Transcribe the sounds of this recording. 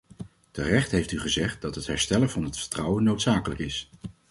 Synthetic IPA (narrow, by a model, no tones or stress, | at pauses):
tərɛχtɦejftyχəzɛχt̚dɑtɦətɦɛ̰ɹstɛləɹv̥ɑnɦətfə̥ɹtrʌwənːowtsaːkələkɪs